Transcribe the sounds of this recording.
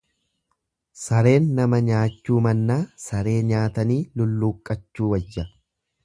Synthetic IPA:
sɐɾe̞ːnːɐmɐɲaːt͡ʃːuːmɐnːaːsɐɾe̞ːɲaːt̪ɐniːlʊlːuːkʼːɐt͡ʃːuːwɐd͡ʒːɐ

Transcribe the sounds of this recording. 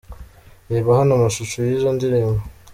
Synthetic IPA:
eβahanamaʃut͡ʃujizondiɾimo

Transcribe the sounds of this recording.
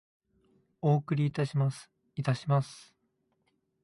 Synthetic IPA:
oːkɯ̟ɾʲiːt̪aɕimas | it̪aɕimasɨ̥

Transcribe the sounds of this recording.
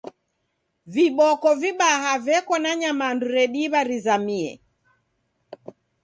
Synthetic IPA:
viɓɔkɔviɓahavɛkɔnaɲamanduɾɛɗiβaɾizamiɛ̰

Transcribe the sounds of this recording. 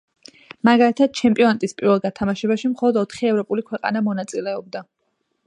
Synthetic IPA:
maɡalit̪ʰad̪̥̚t͡ʃʰɛmpʼiɔnat̪ʼispʼiɾvɛlˠɡat̪ʰamaʃɛbaʃimχɔlˠɔd̪ɔt̪ʰχiɛvɾɔpʼulikʰwɛqʼa̰namɔnat̪sʼilɛɔb̚d̪a

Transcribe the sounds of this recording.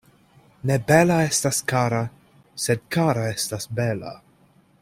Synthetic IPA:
nebelaestaskaɾa | sed̪̚kaɾaestasbela̰

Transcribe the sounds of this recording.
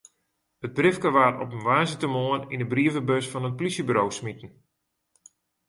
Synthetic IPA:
əd̚brɪfkəʋatɔ̰pənʋaːzətəmoənindəbriəvəbøsfɔnət̚plisjəbyɾowsmitən̩

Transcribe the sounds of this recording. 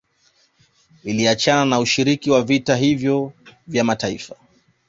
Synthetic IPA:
iliat͡ʃananauʃiɾikiwavitaɦivjɔvjamataḭfa

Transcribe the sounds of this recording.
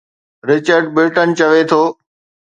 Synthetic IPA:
ɾɪt͡ɕəɾɖ̚bɪɾʈənt͡ɕɐʋet̪ʰoː

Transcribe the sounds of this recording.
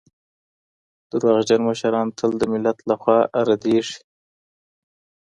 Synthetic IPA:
d̪̥əɾwaɣd͡ʒanməʃaɾɑːnt̪ʰəld̪əmɪlːat̪laxwɑːʔaɾad̪eʂi̥

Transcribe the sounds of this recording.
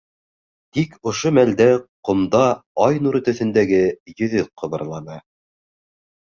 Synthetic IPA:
t̪ikʰŏʃomæld̪æqŏmd̪ɑɑjnuɾɘ̆t̪ɵ̆θɘ̆nd̪æɡɘjɵ̆ðɵqʰɤ̆βɤ̆ɾlˠɑnɑ

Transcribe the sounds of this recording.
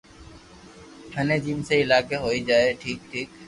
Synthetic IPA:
hʰɐned͡ʒiːmseɪlaːkeɦoːid͡ʒaːeʈʰiːk̚ʈʰiːk

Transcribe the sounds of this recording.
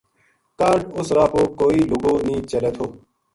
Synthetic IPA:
kaːɾɖʊsɾaːpoːkoːiːlʊɡoːnĩːt͡ʃəleːt̪ʰoː

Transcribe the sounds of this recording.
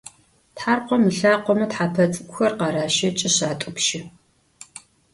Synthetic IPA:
tħaːrqʷɔmɨɬaːqʷɔmɐtħaːpʰɐt͡sʼɨkʷʼxɐrqɑɾaːʃɐt͡ʃʼɪɕaːtʷʼʊpʃɪ

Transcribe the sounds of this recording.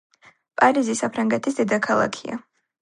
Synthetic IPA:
pʼaɾizisapʰɾaŋɡɛt̪ʰis̬d̪ɛd̪akʰalˠa̰kʰia̰

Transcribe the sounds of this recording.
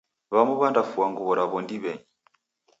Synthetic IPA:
βamuβandafuaŋɡuβɔɾaβɔndiβɛɲi

